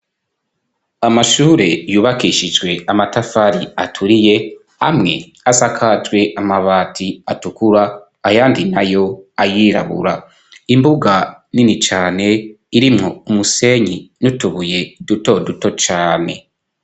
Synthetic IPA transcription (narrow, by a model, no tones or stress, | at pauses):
amaʃuːɾe̞juːβakiʃid͡ʒɡwe̞amatafaɾiatʰuɾije̞ | a̰mŋe̞ | asakʰad͡ʒɡwe̞ʔamaβaːtʰiatukuɾaː | jaːndinajo̞ajiɾa̰βṵɾa | imbuɡaninit͡ʃaːne̞ | iɾimŋoumuse̞ɲinutuβuje̞duto̞duto̞t͡ʃaːne̞̰